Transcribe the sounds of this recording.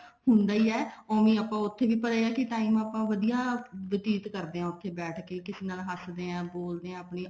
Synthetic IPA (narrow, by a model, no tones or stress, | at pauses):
ɦʊnd̪aːiːɛːõːmĩːaːpãːʊt̪ʰːeːʋiːpət̪aːeaːkɪʈaːiːmaːpãːʋəd̪ijaːʋɪt̪iːt̪kəɾd̪eːãːʊt̪ʰːeːbɛːʈʰkeːkɪsiːnaːlɦəsd̪eːãːboːld̪eːãːəpniː